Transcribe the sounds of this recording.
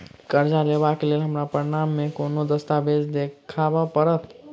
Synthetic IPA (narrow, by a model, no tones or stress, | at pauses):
kəɾd͡ʒaleβakelelɦəmɾapəɾinamːekonod̪əst̪abed͡ʒd̪ekʰabapəɾət̪